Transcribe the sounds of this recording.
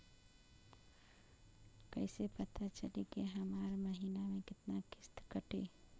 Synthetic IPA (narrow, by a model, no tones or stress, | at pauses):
kɛːɪsepɐt̪at͡ʃəlekeɦɐmaːɾmɐɦiːnamẽkɪt̪nakɪst̪kəʈʰḛː